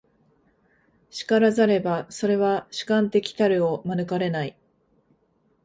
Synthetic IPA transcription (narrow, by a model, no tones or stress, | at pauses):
ɕi̥kaɾazaɾe̞baso̞ɾe̞βaɕi̥kãnt̪e̞kʲi̥t̪aɾɯ̟o̞manɯ̟kaɾe̞nai